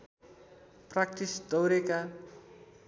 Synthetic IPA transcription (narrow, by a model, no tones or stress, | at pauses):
prak̚t̪isd̪ʌwɾeka